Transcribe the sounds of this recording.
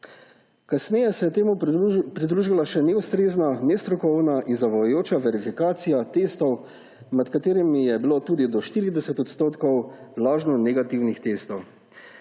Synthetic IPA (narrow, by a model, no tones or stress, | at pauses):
kasnɛjɛsɛjɛt̪eːmupɾid̪ɾuːʒilaʃɛnɛust̪ɾeːznanɛst̪ɾɔkɔwnaʔinzaʋajjoːt͡ʃaʋɛɾifikaːt̪sijat̪est̪ɔw | mɛt̪kat̪eːɾɛmijɛbiloːt̪ud̪id̪ɔʃt̪iːɾid̪ɛsɛt̪ɔt̪st̪oːt̪kɔwlaːʒnɔnɛɡat̪iwnixt̪est̪ɔw